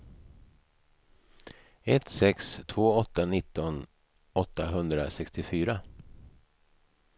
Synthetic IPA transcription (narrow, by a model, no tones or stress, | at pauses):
ɛt̪sɛkst̪ʰvoːɔt̪ːanɪt̪ːɔn | ɔt̪ːaɦɵnd̪ɾasɛkst̪ɪfyːɾa